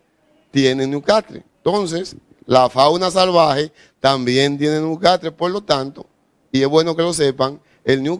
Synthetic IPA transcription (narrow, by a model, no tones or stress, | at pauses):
t̪je̞nenjukat̪ɾḛnt̪o̞ns̬es | lafawnas̬alβaxe | t̪ambje̞nt̪je̞nenjukat̪ɾepo̞ɾlo̞t̪ant̪o̞ | iesβwe̞no̞ke̞lo̞s̬e̞paŋ | elnju